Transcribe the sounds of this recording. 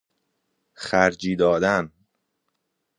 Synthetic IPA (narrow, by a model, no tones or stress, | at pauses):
xæɾd͡ʒiːd̪ɒːd̪æn